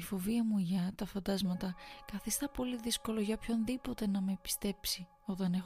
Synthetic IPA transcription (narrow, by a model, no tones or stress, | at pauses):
ifo̞viɐmuʝɐt̪ɐfɐnd̪ɐzmɐt̪ɐkɐθist̪ɐpo̞liðisko̞lo̞ʝɐpço̞nðipo̞t̪e̞nɐme̞pi̥st̪e̞psi | o̞t̪ɐne̞x